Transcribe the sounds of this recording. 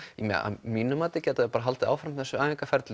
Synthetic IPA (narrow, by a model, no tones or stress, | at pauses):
imɛ̰a̰miːnʏmaːt̪ɪcɛːt̪aɛpaɾaɦalt̪ɪaːwfɾamθɛsːʏaːɪŋkafɛɾt̪lɪ